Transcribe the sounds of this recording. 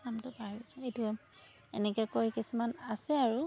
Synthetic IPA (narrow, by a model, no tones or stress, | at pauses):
amtʊpaɹiisɔetuam | ɛ̰nɛkɛkojkisumanasɛaɹu